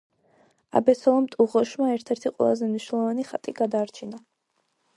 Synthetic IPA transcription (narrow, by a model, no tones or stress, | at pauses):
a̰bɛsɔlˠɔmt̪ʼuʁɔʃmaɛɾt̪ʰɛɾt̪ʰiqʼwɛ̰lˠazɛmniʃwnɛlˠɔvaniχat̪ʼiɡad̪aːɾt͡ʃʰina